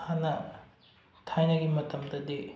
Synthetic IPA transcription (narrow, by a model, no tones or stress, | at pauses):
hanɐ | tʰajnɐɡimɐtʰɐmdɐdi